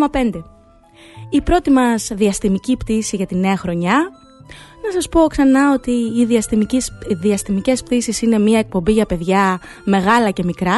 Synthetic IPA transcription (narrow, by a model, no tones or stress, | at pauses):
mɐpe̞nd̪e̞ | ipɾo̞t̪imɐzðiɐst̪imicipt̪isiʝɐt̪ine̞ɐxɾo̞ɲɐ | nɐsɐspo̞ksɐnɐo̞t̪iːðiɐ | ðiɐst̪imice̞spt̪isisine̞miɐek̚po̞mbiʝɐpe̞ðʝɐ | me̞ɣɐlɐce̞mikɾɐ